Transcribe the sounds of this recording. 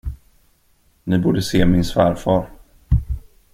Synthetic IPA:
nɪbuːɖəseːmɪnsvæːɾfɑːɾ

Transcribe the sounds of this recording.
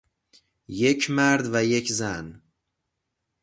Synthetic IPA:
je̞cʰmæɾd̪væje̞cʰzæn

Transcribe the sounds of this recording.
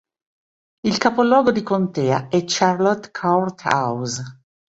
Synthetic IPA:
ilkapolɔːɡod̪ikont̪ɛːaɛt͡ʃːarlot̪kʰart̪a̰wz

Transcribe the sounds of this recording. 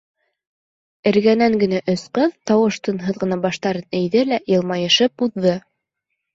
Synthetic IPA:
ɘ̆ɾɡænæŋɡɘ̆næʔɵsqɤðt̪ɑwɤʃt̪ɤ̆nɦɤðʁɤ̆nɑbɑʃt̪ɑɾɤnɘ̆jðɘlæjɤ̆lˠmɑjɤ̆ʃɤp̚uðːɤ

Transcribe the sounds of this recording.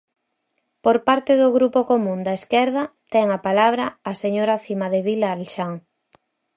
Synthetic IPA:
poɾpaɾt̪ɪðʊɣɾupokomũnd̪aeskɛɾðɐt̪ɛŋapalaβ̞ɾɐaseɲoɾafimaðeβilaːlʃaŋ

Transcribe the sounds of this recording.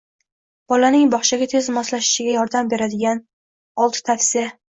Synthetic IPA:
b̥ɒlanɪŋbɒχʃaɡʲat̪ʰezmɒslaʃɪ̥ʃɪɡʲajɒɾd̪ambe̞ɾad̪ɪɡʲan | ɒlˠt̪ʰɪ̥t̪ʰafsɪja

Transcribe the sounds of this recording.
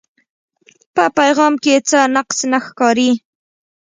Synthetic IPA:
pəpajɣɑmket͡sənaqsnaxkɑɾi

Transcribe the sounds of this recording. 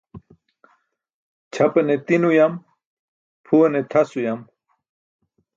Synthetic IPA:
t͡ɕʰɐpɐnet̪inujɐm | pʰuɐnet̪ʰɐsujɐm

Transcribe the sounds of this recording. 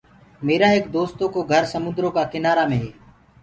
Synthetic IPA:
meːɾaːɦekd̪oːst̪oːkoːɡʱəɾsəmʊ̃nd̪ɾoːkaːkɪnaːɾaːmẽːɦeː

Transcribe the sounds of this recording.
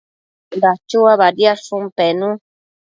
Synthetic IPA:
dat͡ʃuaβaɾjasumpenũ

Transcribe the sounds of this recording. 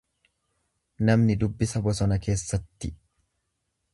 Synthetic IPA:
nɐmnɪd̪ʊbːɪsɐbɔsɔnɐke̞ːsːɐt̪ːɪ

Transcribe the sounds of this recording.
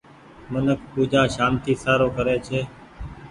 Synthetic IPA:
mənəkʰpuːd͡ʒʱaːʃaːmt̪ʰiːsaːɾoːkəɾeːt͡ʃʰeː

